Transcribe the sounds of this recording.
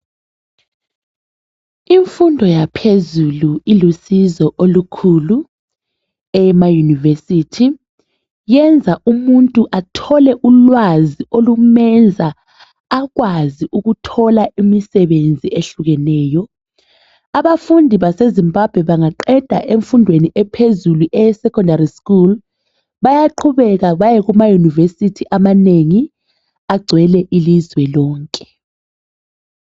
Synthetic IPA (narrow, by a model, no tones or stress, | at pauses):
iɱfundʱɔjapʰezuluilusizɔʔolukʰulu | ɛmajunivesitʰi | jɛnd͡zʱaʔumuntʼuʔatʰɔlɛʔulwaziolumɛnd͡zʱaː | ɣwaziʔuɣutʰɔlaʔimisɛβend͡zʱieɬuɣɛnɛːjɔ | aβafundʱiβasezimbʱab̥ʱwɛβaŋaǃɛd̥ʱaʔeɱfundʱweniʔɛpʰezuluʔɛsɛkʰʼɔndariskul | βajaǃʰuβɛɣaβajɛɣumajunivesitʰiʔamaneŋi | aɡ͡ǀʱwɛlɛʔilizwɛlɔːŋkʼɛ̥